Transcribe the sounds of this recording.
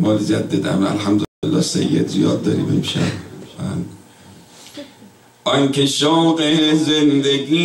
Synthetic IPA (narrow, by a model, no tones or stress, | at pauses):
mɒːlid͡ʒæd̪ːed̪æ̰mæ̰lħæmd̪olelːɒːsḛjːed̪zijɒːd̪̚ːɒːɾḭːme̞mʃæ̰bæn | ʔɒŋkʲʰeʃɒːqezend̪eɡiː